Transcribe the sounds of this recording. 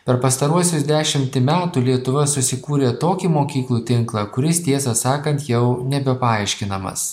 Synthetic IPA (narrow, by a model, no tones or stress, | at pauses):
pʲɛɾpɐst̪ɐɾuɔsʲʊsd̪ʲæːʃʲɪmʲt̪ʲɪmʲæːt̪uːlʲiɛt̪ʊʋɐsʊsʲɪkuːɾʲeːt̪oːkʲiːmoːkʲiːklˠuːt̪ʲɪŋklˠɑkʊɾʲɪst̪ʲiɛsɐsɑːkɐnt̪jɛʊnʲɛbʲɛpɐɐɪʃʲkʲɪnɐmɐ̰s